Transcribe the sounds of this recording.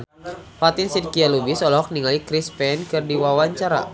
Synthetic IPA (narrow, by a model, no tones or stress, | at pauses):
pat̪insirkialubisɔlɔɦɔk̚niŋalikɾispɛnkɨrdiwawaɲt͡ʃaɾa̰